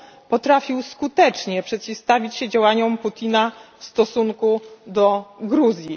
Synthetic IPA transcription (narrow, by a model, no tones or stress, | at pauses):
pɔt̪ɾafʲiwskut̪ɛt͡ʂɲɛpʂɛt̪̚t͡ɕifst̪avʲit͡ɕɕɛd͡ʑawaɲɔmput̪ʲinafst̪ɔsuŋkud̪ɔɡɾuzʲji